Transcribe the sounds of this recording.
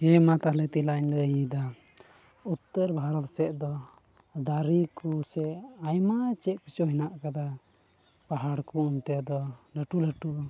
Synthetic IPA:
ɛmat̪aɦlɛt̪ilaɲləɦid̪a | ut̪ːəɾbʱaɾɔt̪sɛʔ̪d̪ɔ | d̪aɾikusɛajmat͡ʃɛʔpit͡ʃɔɦɛnaʔkad̪a | paɦaɽkuunt̪ɛd̪ɔləʈuləʈua

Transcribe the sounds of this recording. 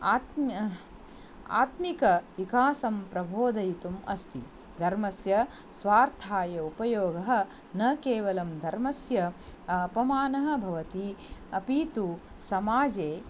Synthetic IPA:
aːt̪ | a̰ːt̪mikɐʋikaːsɐmpɾɐbʱoːd̪ɐjt̪umɐ̰st̪ʰḭ | d̪ʱɐɾmɐsjɐ | sʋaːɾt̪ʰaːjɐupɐjoːɡɐɦɐ̆ | nɐkeːʋɐlɐmd̪ʱɐɾmɐsjɐːpɐmaːnɐɦɐ̆bʱɐʋɐt̪iɐpiːt̪u | sɐmaːd͡ʒeː

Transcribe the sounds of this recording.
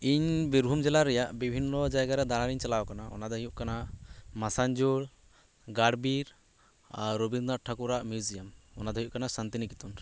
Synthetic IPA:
iɲbiɾbʱumd͡ʒɛlaɾɛjaʔbibʱinːɔd͡ʒajɡaɾɛd̪aɽ̃aɾiɲt͡ʃalawɔkanaʔɔ̰nad̪ɔɦijuʔkanamasaɲd͡ʒuɽ | ɡaɽbiɾ | ɾobinnaɾʈʰakuɾaʔmjud͡ʒijamɔnad̪ɔɦijuʔkanasant̪inikit̪un

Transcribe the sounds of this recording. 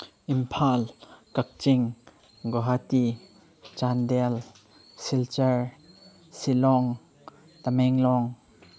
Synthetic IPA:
ʔimpʰalkɐk̚t͡ʃiŋ | ɡɔɦat̪i | t͡ʃand̪ɛl | silt͡ʃɛɹ | silɔŋ | t̪amɛŋlɔŋ

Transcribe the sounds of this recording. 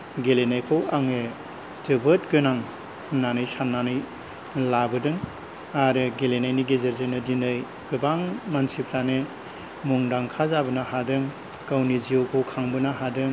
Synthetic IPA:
ɡelenajkʰowaŋe | d͡ʒɯbɯt̚ɡɯnaŋ | nanɯjsanːanɯj | labɯdɯŋ | aɾɯɡelenajniɡezeɾzɯjnɯdindɯj | ɡ̥ɯbaŋmansipʰlanɯ | muŋdaŋkʰazabɯnaɦadɯŋ | kawniziokʰowkʰaŋbɯnaɦadɯŋ

